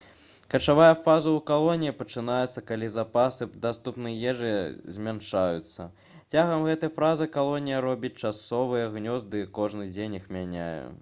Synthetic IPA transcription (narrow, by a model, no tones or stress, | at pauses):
kɐt͡ʂavajɐfazɐukalˠɔnʲijipɐt͡ʂɨnajɛt̪sːɐkalʲizapasɨd̪ast̪upnɨjjɛʐɨzʲmʲanʂajṵt̪sːɐ̰ | t͡sʲaɣɐmɣɛt̪ɐjɐfɾazɨkalˠɔnʲijɐɾɔbʲit͡sʲt͡ʂasɔvɨjɐɣnʲɔzd̪ɨkɔʐnɨd͡zʲenʲixmʲanʲa̰jṵ